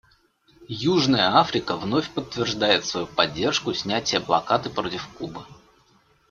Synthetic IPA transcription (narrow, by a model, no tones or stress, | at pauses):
juʐnəjəafɾʲɪkəvno̞fʲpət̪ːvʲɪrʐd̪ajɪt̪svɐjupɐdʲːe̞rʂkʊsʲnʲætʲɪjəplˠɐ̰kat̪ɨpɾotʲɪfkubə